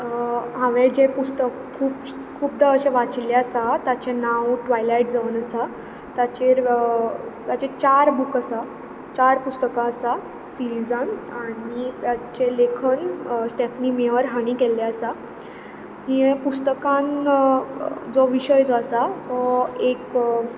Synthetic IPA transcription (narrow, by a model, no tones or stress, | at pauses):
ɦãʋed͡ʑepust̪əkkʰːuːp | kʰuːp̚d̪aəɕeʋat͡sleəsat̪at͡ɕenãwʈʋajlajʈ̚d͡zaʋənəsa | t̪at͡ɕeɾ | t̪jat͡ɕet͡ɕaɾbukəsa | t͡ɕaɾpust̪əkãəsa | siɾid͡zənaɽit̪jat͡ɕelekʰənsʈefnimeʋəɾɦaɽ̃iːkelːaəsa | ɦiepust̪əkãn | d͡zɔʋiɕəjt͡sɔəsa | ek